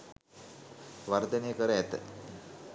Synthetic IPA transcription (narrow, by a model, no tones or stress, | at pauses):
ʋard̪ənejəkəɾəæt̪ə̰